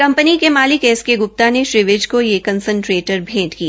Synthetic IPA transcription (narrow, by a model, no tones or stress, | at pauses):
kɐ̃mpənikemaːlɪkɛːskeɡʊp̚t̪aneʃɾɪʋɪd͡ʒkojekɐ̃nsə̃ɳʈɾeːʈəɾbʱeːʈkia